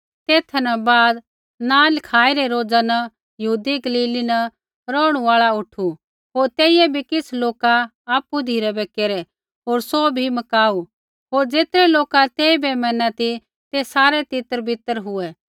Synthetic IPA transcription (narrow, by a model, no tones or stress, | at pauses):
t̪eːt̪ʰnɐbaːd̪ | nãːlɪkʰaːiɾɛɾoːd͡zanɐ | jɐɦuːd̪iɡɐliːlinɐ | ɾɔːɽ̃ũaːɭaʊʈʰu | ɦoːɾt̪eːɪjɛbʱikɪsʰloːkaː | pːud̪ʱiːɾɛbɛkeːɾɛ | ɦoːɾsobʱimɐkaːu | ɦoːɾd͡ʒeːt̪ɾɛloːkat̪eːibɛmɛ̃ːnat̪i | t̪esaːɾɛt̪ɪt̪əɾbʱɪt̪əɾɦʊɛ